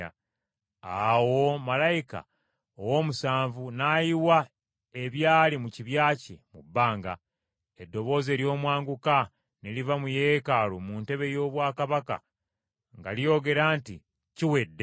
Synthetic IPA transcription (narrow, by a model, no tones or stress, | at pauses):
a | awo̞malajika̰ | owo̞musaːɱvunaːjiwa | e̞βjaːlimuciβjaːcḛmubːaːŋɡa̰ | e̞dːo̞βo̞ːze̞ːɾjo̞ːmwaːŋɡuka | nelivamujekalomunte̞βe̞jo̞ːβwaːkaβaka̰ | ŋɡa̰lijo̞ːɡe̞ɾaːnti | ciwe̞dːe